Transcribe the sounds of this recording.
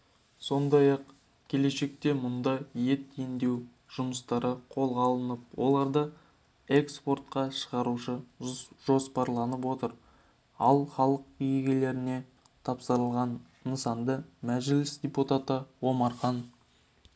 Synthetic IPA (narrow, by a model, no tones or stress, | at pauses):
so̞nd̪ɑjɑq | kʲʰe̞le̞ʃe̞k̚t̪e̞mʊnd̪ɑje̞t̪end̪e̞w | ʒ̥ʊməst̪ɑɾəqʰo̞lˠʁɑlˠənəp̚wo̞̰lˠɑɾd̪ə | e̞kspo̞rt̪̚qɑʃəʁɑɾuʃəʒo̞spɑɾlˠɑnəp̬wo̞t̪əɾ | ɑlˠχɑlˠəqjeɡʲele̞ɾɪne̞ | t̪ʰɑpsəɾəlˠʁɑnː | əsɑnd̪əmæʒɪlɪsd̪ʲe̞put̪at̪əwo̞mɑɾχɑn